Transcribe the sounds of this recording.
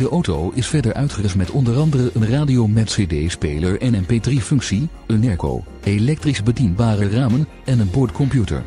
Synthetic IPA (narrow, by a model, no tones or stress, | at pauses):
dəʔowtowɪsfɛɹdəɹʔœ̰ɥtχərɪsmɛtɔndəɾɑndərəʔənraːdiowmɛtsedejspeːləɹɛnənpeːdrifɵŋksi | ənːɛɹko̰w | elɛk̚trizbədinbaːrəraːmən | ɛnənbɔɹtkɔmpjutə̰ɹ